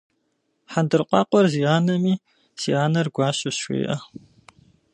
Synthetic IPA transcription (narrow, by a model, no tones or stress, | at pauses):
ħandɨrqʷʼɑ̰ːqʷʼɔrziːaːnɐmiː | sḭaːnɐrɡʷɑːɕɐɕʷḛːʔɐ